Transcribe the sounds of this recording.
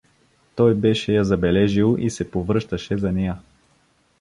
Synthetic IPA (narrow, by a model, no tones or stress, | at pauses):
t̪ɔjbɛʃɛjɐzɐbɛlɛʒilˠisɛpovɾɤʃt̪ɐʃɛzɐnɛjə